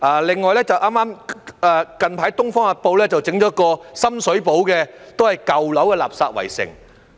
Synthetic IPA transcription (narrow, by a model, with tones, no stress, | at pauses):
ʔaː˨˩lɪ˨ŋːɔː˨jlɛː˥t͡sɐ˨wʔaː˥maː˥mʔɛː˨kɐ˨npʰaː˨˥jt̪ʊ˥ŋfɔː˥ŋaː˨˧po˧wlɛː˥t͡sɐ˨wt͡sɪ˨˥ŋt͡ɕɔː˨˥kɔː˧sɐ˥msɵ˨˥ɥp̬o˨˥wkɛː˧t̪o˥whɐ˨jkɐ˨wlɐ˨˥wkɛː˧la̰ː˨p̚sa̰ː˧t̚wɐ̰˨˩jsɪ̰˨˩ŋ